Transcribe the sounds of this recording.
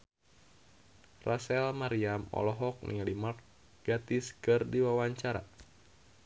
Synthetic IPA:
rʔasɛlmaɾiamɔ̰lɔɦɔk̚nḭŋalimart | ɡ̥at̪iskɨrdiwawaɲt͡ʃaɾa̰

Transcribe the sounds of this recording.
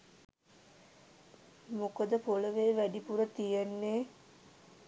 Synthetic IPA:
mokəd̪əpoləʋeːʋæɖipuɾət̪ijenːeː

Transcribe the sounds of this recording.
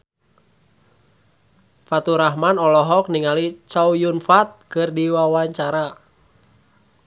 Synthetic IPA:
fat̪uɾahmanɔlɔɦɔk̚niŋalit͡ʃaujunfat̪̚kɨrdiwawaɲt͡ʃaɾa

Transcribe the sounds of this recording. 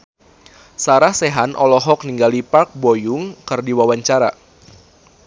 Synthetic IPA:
saɾahseɦanʔɔlɔɦɔk̚niŋɡalipark̚bojʊŋkɨrdiwawaɲt͡ʃaɾa

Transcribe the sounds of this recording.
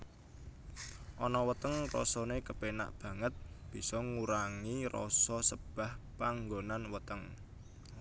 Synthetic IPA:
ʔɔnɔwət̪əŋrɔ̰sɔnekəpena̰ʔb̥ä̤ŋət̪̚b̥i̤sɔŋuɾaŋirɔ̰sɔsəb̥a̤hpaŋɡonanwət̪əŋ

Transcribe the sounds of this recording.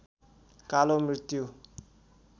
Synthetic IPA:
kalomɾit̪ju

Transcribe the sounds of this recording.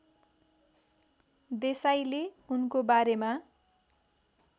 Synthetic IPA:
d̪esajleunkobaɾema

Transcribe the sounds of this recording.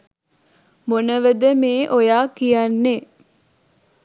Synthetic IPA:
monəʋəd̪əmeːʔojaːkijanːe

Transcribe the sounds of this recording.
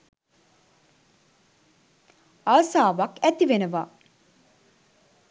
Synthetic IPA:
aʋɐsaːʋakæt̪iʋenəʋaː

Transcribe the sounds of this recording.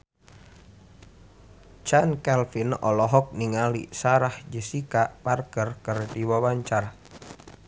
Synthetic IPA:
t͡ʃankɛlfinʔɔlɔɦɔk̚niŋalḭsaɾahd͡ʒəsikaʔparkərkərdiwawaɲt͡ʃar

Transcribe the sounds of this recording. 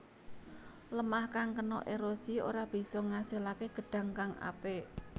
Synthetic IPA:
ləmahkaŋkənɔ̰ʔeɾosio̰ɾab̥i̤sɔŋaselakeɡ̥ə̤ɖ̥a̤ŋkaŋʔa̰pe

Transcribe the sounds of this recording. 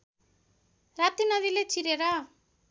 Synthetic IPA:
ɾaːt̪inaðilet͡ʃiɾeɾa

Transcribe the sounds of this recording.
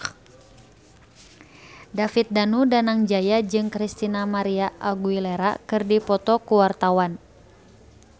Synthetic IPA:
dafit̪̚danudanaŋd͡ʒajad͡ʒɨŋkɾist̪inamaɾiaʔaɡuilɛɾa̰kɨrdipɔt̪ɔkuwart̪awan

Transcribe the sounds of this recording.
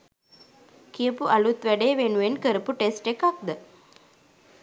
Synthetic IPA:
kijəpuʔɐlut̪ʋæɖeːʋenuʋenkəɾəpuʈesʈekɐk̚d̪ə

